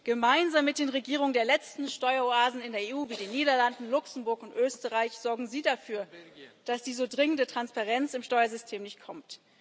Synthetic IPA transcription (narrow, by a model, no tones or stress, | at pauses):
ɡ̥əmaɪnzaːmːɪt̚d̥eːnʁeɡiːʁ̞ʊŋəndeːɐlɛt͡stn̩ʃtɔʏɐoaːzn̩ɪndeːɐeːuːviːdeːnːiːɾɐlandn̩lʊksn̩bʊɐkʊntʔøːstəʁaɪçz̥ɔɐɡŋ̩ziːdafyːɐd̥asd̥iːzoːdʁɪŋəndətʁ̥anspaʁɛnt͡sɪmʃtɔʏɐzʏstʰeːmnɪçtkʰɔmt